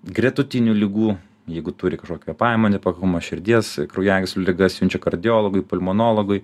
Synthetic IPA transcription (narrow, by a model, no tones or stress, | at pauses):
ɡrʲɛt̪ʊt̪ʲɪnʲuːlʲɪɡuː | jɛɪɡʊt̪ʊɾʲɪkɐʃkoːkʲuɛpɑɪmoːnʲepɐkɐkʊmɐʃʲɪɾʲd̪ʲiɛskɾɔʊjæːɡʲɪsʲlʲʊlʲɪɡɐsʲjʲɪnʲt͡ʃʲɛkɐɾʲd̪ʲɪjoːlˠoɡʊɪpʊlʲmonoːlˠoɡʊɪ